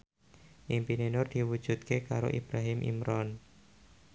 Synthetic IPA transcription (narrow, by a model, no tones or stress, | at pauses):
ʔimpinenʊrd̪̥iwud̥ʒ̥ṳt̪̚kekaɾo̰ʔib̥ɾaɦɪmʔḭmɾɔn